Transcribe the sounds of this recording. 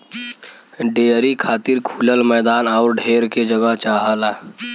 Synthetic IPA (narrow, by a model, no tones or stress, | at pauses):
ɖeːɾikʰaːt̪iɾkʰuːləlmɛːd̪aːnɔːʊɾɖʱeːɾked͡ʒəɡəɦt͡ʃaːɦəla